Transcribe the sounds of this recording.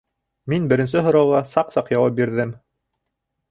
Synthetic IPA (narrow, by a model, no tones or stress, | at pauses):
minbɘ̆ɾɘ̆nsɘɦŏɾɑwlɑsɑqsɑqjɑwɑp̚biɾðɘm